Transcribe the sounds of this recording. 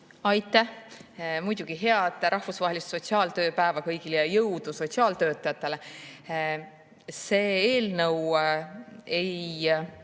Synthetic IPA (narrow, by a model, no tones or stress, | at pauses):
ɑjt̪ːˑæhmujd̪̥uɡ̥iɦe̞ɑd̪ˑɾʔɑhfusvɑːhelist̪so̞t̪siɑːlt̪ø̞ːpæevɑkɤjɡ̥ilejɑjɤwd̪̥uso̞tsiɑːlt̪ø̞ːt̪ːˑɑjɑt̪ːˑe̞le | se̞ːeːlnɤw | ej